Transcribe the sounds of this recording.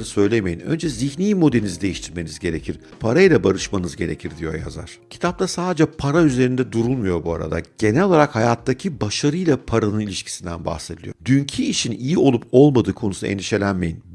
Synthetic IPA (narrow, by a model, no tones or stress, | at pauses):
ɯsø̞jlʲe̞me̞jinø̞̰nd͡ʒɛziçniːmo̞d̪einizid̪e̞jiʃt̪ʰiɾme̞nizɟe̞ɾe̞cʰiɾ̥ | pʰaɾajlʲˠabaɾɯʃmanɯzɟe̞ɾecʰiɾd̪ijo̞̰ja̰za̰ɾ̥cʰi̥t̪ʰap̚t̪ʰasaːd̪ed͡ʒɛpʰaɾayze̞ɾind̪ɛd̪uɾunmujo̞ɾbua̰ɾa̰d̪a̰ɟ̥e̞nɛlʲolˠaɾakhajat̪ʰːacʰibaʃaɾɯjlˠapʰaɾanɯnilʲiʃcʰi̥sind̪ænba̰xse̞d̪ilʲijo̰d̪yɲcʰiːʃʰinijio̞lˠupo̞lˠmad̪ɯːkʰo̞nusḛnd̪iʃe̞lʲænmejin